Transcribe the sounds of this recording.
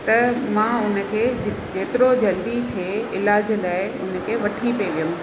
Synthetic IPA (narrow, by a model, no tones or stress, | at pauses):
t̪ɐmãʊn̆kʰeːd͡ʑɪ | d͡ʑeːt̪ɪɾod͡ʑɐld̪it̪ʰeɪlaːd͡ʑlaːɪʊnə̆kʰeːʋɐʈʰipeʋijʊm